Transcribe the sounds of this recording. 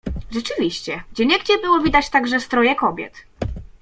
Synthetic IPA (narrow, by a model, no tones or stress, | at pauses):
ʐɛt͡ʂɘvʲiɕt͡ɕɛɡd͡ʑɛɲɛɡd͡ʑɛbɘwɔvʲid̪at͡ɕt̪aɡʐɛst̪ɾɔjɛkɔbʲjɛ̰t̪